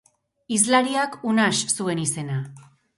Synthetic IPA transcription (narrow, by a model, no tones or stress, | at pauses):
izlaɾiakunassue̞nise̞na